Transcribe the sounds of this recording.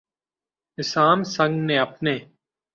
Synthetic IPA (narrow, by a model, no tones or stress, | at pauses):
ɪsaːmsə̃ŋɡnẽːəpneː